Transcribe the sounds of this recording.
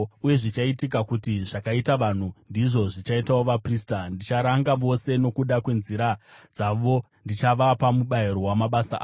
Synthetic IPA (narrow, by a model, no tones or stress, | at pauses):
uje̞ʐit͡ʃaitik̬akutiʐ̥akaitaʋan̤undiʐo̞ʐit͡ʃaitawoʋapristandit͡ʃaɾaŋɡaʋo̞se̞no̞kuɗakwe̞nziɾad͡zaʋo̞ | ndit͡ʃaʋapamuɓajeɾo̞wamaɓasaʔa̰ː